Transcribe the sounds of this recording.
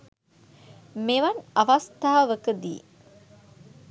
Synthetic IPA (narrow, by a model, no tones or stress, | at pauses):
meʋɐnaʋɐst̪aːaʋəkəd̪ḭː